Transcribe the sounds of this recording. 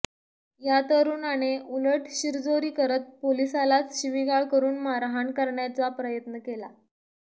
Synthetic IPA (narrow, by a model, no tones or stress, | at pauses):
jat̪əɾuːnaɽ̃euləʈʰɕiɾd͡zoɾiːkəɾət̪̚polisalat͡sɕiʋiɡaɭkəɾuːnmaɾɦankəɾɳjat͡sapɾəjət̪nəkela